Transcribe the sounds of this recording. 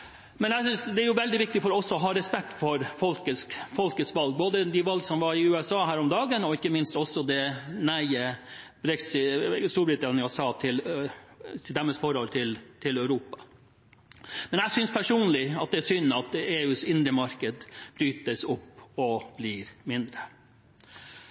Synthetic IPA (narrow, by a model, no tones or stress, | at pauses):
mɛnæɪsʏnsd̪ɛæɾjʊʋɛld̪ɪʋɪk̚t̪ɪfɔɾɔɔsːɔɔɦɑːɾɛspɛk̚t̪fɔɾfɔlkəskfɔlkət̪skʋɑlɡ̚boːd̪əd̪ɪʋɑlɡsɔmʋɑɾɪʉːɛsɑːɦæːɾɔmd̪ɑːɡənɔɪkːəmɪnst̪ɔsːɔd̪ɛnæɪəb̥ɾɛksɪst̪uːbɾɪt̪ɑnɪɑsɑːt̪ʰɪl | d̪æmːəsfɔɾɔlt̪ʰɪlt̪ʰɪlœʉɾuːpɑ̥ | mɛnæɪsʏnspʰæʂuːnlɪɑt̪̚d̪ɛæsʏnːɑt̪eːʉːsɪnd̪ɾəmɑɾkəd̪b̥ɾyːt̪əsʊpːɔb̥lɪɾmɪnd̪ɾə